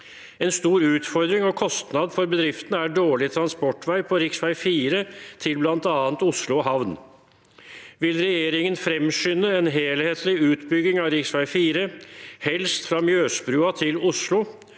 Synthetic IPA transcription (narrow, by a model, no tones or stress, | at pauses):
ɛnst̪uːɾʉːt̪fɔɾd̪ɾɪŋɔkʰɔst̪nɑd̪fɔɾbəd̪ɾɪft̪ənəæɖoːɭɪt̪ʰɾɑnspɔʈːʋæɪpʰɔɾɪksʋæɪfiːɾət̪ʰɪlblɑnt̪ɑːnt̪ʊslʊɦɑʋn | ʋɪlɾɛjeːɾɪŋənfɾɛmʃʏnəenɦeːlheːt̪ʰlɪʉːt̪bʏɡɪŋɑɾɪksʋæɪfiːɾəhɛlst̪fɾɑmjøːspɾʉːɑt̪ʰɪlʊslʊ